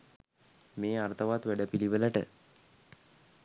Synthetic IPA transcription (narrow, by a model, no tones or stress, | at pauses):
meːart̪əʋat̪ʋæɖəpiliʋələʈə